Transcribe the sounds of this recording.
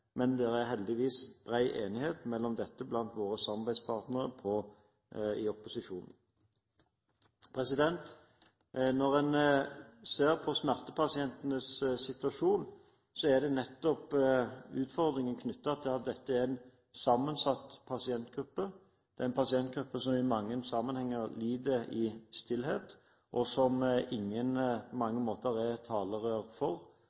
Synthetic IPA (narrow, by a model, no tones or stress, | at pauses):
mɛnd̪ɛːɾæʁɦɛld̪ɪʋiːsb̥ʁæɪʔḛːnɪheːt̪mɛlːɔmd̪ɛt̪ːəblɑnt̪ʋoːʁəsɑmɑbæɪd̪spʰɑːʁt̪nəʁəpʰɔ | ɪɔpʊsɪʂuːnn̩ | pʰɾɛsɪd̪ɛnt̪ | nɔʁɛn | seːʁpʰɔsmæʁt̪əpʰɑsɪɛnt̪ənəssɪt̪ʉʋɑʂuːn | sɔæd̪ɛnɛt̪ːɔp | ʉːt̪fɔʁd̪ɾɪŋənkʰnʏt̪ːɑɑt̪̚d̪ɑt̪̚d̪ɛt̪ːəæɾæn | sɑmːənsɑt̪ːpʰɑsɪɛnt̪ɡ̥ɾʉpːə | d̪̥ɛæɾɛnpʰɑsɪɛnt̪̚ɡɾʉpːəsɔmɪmɑŋːənsɑmənhɛŋːəɾliːd̪əɪst̪ɪlheːt̪ | ʔɔsɔmɪŋːənpʰɔmɑŋːəmoːt̪əɾɛt̪ʰɑːləʁøːʁfɔʁ